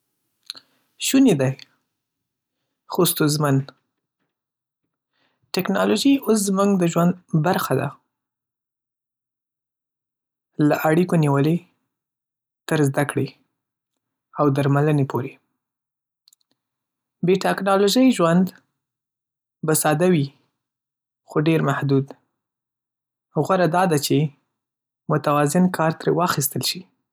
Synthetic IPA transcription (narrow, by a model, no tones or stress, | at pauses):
ʃuned̪aj | xost̪ozmən | ʈɪknɑloʒios̬zmuŋɡd̪əʒwand̪baɾxad̪a̰ | laʔaɽikoniwəle | t̪əɾzd̪akɽe | awd̪aɾmalənepʰoɾe | beʈaknɑloʒəjʒwand̪ | basɑd̪awi | xoɖeɾmahd̪ud̪ | ɣwaɾad̪ɑd̪at͡ʃe | mʊt̪awɑzɪnkʰɑɾt̪ɾewɑxist̪əlʃi